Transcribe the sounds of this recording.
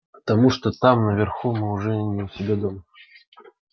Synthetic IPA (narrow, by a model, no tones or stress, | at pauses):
pə̥t̪ɐmuʂt̪ot̪amnəvʲɪrxumɨʊʐɛnʲɪlˠsʲɪbʲed̪om